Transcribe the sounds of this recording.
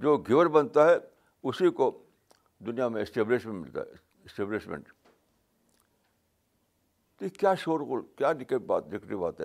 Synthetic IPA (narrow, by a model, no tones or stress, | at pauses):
d͡ʒoːɡʱɪʋəɾbɐnt̪aɦɛ | ʊsiko | d̪ʊnijamẽɪsʈeːblɪʃmẽmɪ̰lt̪a̰ɦɛ | ɪsʈeːblɪʃmḛ̃ɳʈ | t̪oikjaːʃoːɾɣʊlkjaːnɪkəʈba̰ːt̪̚d͡ʒɪkɾibaːt̪ɦɛ̰ː